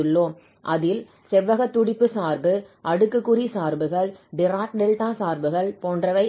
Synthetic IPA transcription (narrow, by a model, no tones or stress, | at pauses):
ɯɭːoːm | ʔɐðɪl | sɛʋːɐɣɐt̪ːʊɽɪpːɯsaːɾbɯʔɐɽɯkːɯkːʊrisaːɾbɯɣɐɭɖɪɾaːk̚ɖɛlʈaːsaːɾbɯɣɐɭpoːndrɐʋɐɪ